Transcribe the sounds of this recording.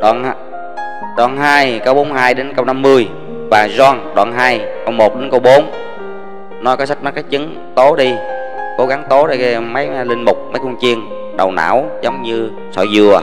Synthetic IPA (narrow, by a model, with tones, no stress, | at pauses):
ɗwa̰ː˧˨n˧ | ɗwa̰ː˧˨nɦaː˧jkə˧wɓo˨˦nhaː˧jɗe˨˦nkə˧wna˧mːɨ˧əj | vaː˨˩zɔː˧nɗwa̰ː˧˨nɦaː˧jkə˧wmo˨˩t̚ɗe˨˦nkə˧wɓo˨˦n | nɔ˨˦jkɔː˨˦sa˦˥k̚ma˦˥ka˦˥k̚t͡ɕɨ˨˦ŋ | t̪o˨˦ɗi˧ | ko˨˦ɣa˨˦ŋt̪o˨˦ɗa˧˩˧mə˨˦jli˧ŋ̟mʊ˨˩k͡p̚mə˨˦jkʊ˧nt͡ɕi˧ən | ɗə˨˩wna̰ː˧˥˨wzə˨˦wŋ͡mɲɨ˧ | sɔ̰˧˩jzɨ˨˩ə